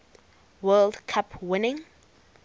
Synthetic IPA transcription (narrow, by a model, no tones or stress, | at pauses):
wɛldkʰapʰwɪnɪ̃ŋ